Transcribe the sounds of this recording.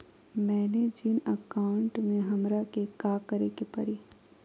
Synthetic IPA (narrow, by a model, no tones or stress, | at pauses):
mɛːned͡ʒinəkaːʊɳʈmẽɦɐmɾakekaːkɐɾekepɐ̰ɾiː